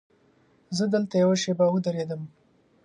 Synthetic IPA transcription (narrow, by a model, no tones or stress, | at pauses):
zəd̪əlt̪ajawaʃebawəd̪aɾed̪əm